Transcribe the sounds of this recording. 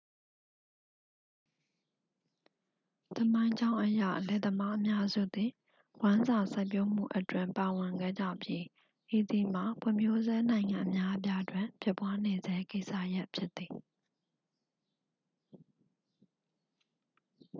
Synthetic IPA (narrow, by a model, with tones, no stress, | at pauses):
t̪ə˨mã˦ɪ̃ɲd͡ʑã˦ʊ̃ʔəjä̰˦˨ʔlɛ˨d̪əma˦ʔəmja˦zṵ˦˨d̪i˨ | wã˦nza˨sa˦ɪpjo˦m̥ṵ˦˨ʔə˦twɪ̰̃˦˨mpa˨wɪ̃˨ŋɡɛ̰˦˨d͡ʑä̰˦˨pji˦ | ʔe˨d̪i˨m̥a˨pʰwʊ̰̃˨mjo˦zɛ˦nã˨ɪ̃ŋã˨ʔə˨mja˦ʔəp̬ja˦dwɪ̃˨pʰɪ˦pwa˦ne˨zɛ˦ke˦ɪʔsä̰˦˨ja˦ʔpʰjɪ˦t̪θi˨